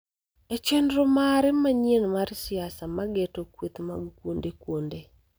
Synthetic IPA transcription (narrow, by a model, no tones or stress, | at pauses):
et͡ʃendɾomaɾɛmaɲenmaɾsɪasamaɡetokwet̪ma̰ɡkwondekwonde